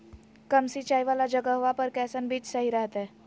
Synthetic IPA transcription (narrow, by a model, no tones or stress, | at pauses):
kəmsit͡ʃajʋalad͡ʒəɡəɦoʋapəɾkɛsənbiːt͡ʃsəɦiɾɛɦt̪e